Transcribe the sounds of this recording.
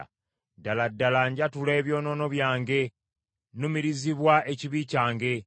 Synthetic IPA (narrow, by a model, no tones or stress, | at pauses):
daladːalaɲɟatule̞ːβjo̞ːno̞no̞βjaːŋɡe̞ | numiɾiziβwaeciβiːcaːŋɡe̞